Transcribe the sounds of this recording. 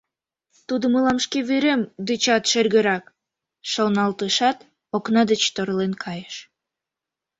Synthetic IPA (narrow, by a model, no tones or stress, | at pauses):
t̪ud̪əməlɑmʃkeβyɾemd̪yt͡ɕɑt̪ʃerɣə̆ɾɑk | ʃolnɑlt̪əʃɑt̪ | oknɑd̪ət͡ɕt̪oɾlenkʰɑjəʃ